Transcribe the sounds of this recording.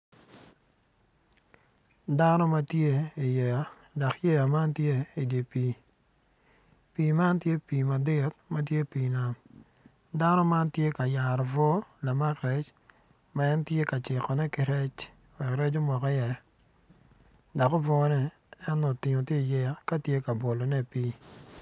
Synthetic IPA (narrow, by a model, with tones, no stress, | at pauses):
da˦nɔ˦ma˦tje˦i˨jɛ˨a˨˦ | dɔ˨kjɛ˦ja˨ma˦ntje˦i˨de˨piː˨ | piː˨ma˦ntje˦piː˨ma˨dɪ˦t̚ma˦t̬je˦piː˨na˨m | da˦nɔ˦ma˦ntje˦ka˨ja˨ɾɔ˨vɔ˦la˨ma˦kɾɛ˦t͡ʃ | ma˦ɛ˦ntje˦ka˨t͡ʃɪ˨kɔ˨nɛ˦kɪ˨ɾɛ˦t͡ʃ | wɛ˨kɾɛ˦t͡ʃo˦mɔ˨kɔ˦jɛ˨ | dɔ˨ko˦vɔ˦nɛ˦ | ɛ˦no˨tɪ˨ɲo˨tje˦˨jɛ˦a˦ka˦tje˦ka˨bo˨lo˨nɛ˦˨piː˦